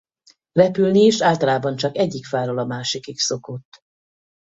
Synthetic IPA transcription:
rɛpylniʃaːlt̪ɒlaːbɒnt͡ʃɒkɛɟːikfaːɾolɒmaːʃikikso̞kot̪ː

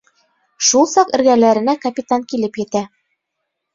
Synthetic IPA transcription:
ʃulˠsɑqɘ̆ɾɡælæɾɘ̆nækɐpʲit̪aŋkilɘpjɘ̆t̪æ

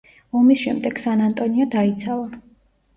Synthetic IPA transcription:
ɔmisʃɛ̰md̪ɛɡ̥sanant̪ʼɔniɔd̪ait̪sʰava

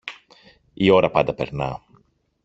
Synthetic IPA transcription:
ioɾɐpɐ̰nd̪ɐpe̞̰ɾnɐ̰

